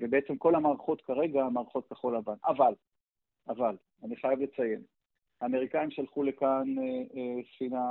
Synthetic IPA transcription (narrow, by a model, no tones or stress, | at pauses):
vebeet͡se̞mko̞lamaːʁχo̞t̪kaʁe̞ɡamaːʁχo̞t̪̚kaχo̞lavanaval | aval | aniχajavle̞t͡saje̞m | haːme̞ʁikaimʃalχule̞kanesχina